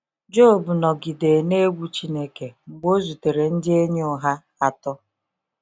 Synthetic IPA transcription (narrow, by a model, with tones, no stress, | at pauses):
d͡ʒo˦˨bu˨nɔ˨ɡi˨de˨ne˦ɡʷu˦t͡ʃi˦ne˦ke˨ŋ͡m̩˨ɡ͡bo˦zu˨te˨ɾe˨n̩˦dɪ˦e˦ɲe˦ʊ˦˨ɦa˦ | a˨tɔ˦